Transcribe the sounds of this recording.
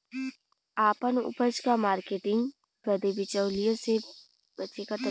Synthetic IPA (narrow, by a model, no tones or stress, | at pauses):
aːpənʊ̰pəd͡ʒkamaːɾkeːʈɪ̃ŋɡ | pɾɐd̪ebɪt͡ʃəwlijõse | bɐt͡ʃekat̪ɐ